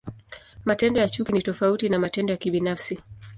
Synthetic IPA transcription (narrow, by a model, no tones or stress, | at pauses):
matɛndɔjat͡ʃukinitɔfautinamatɛndɔjakiɓinafsi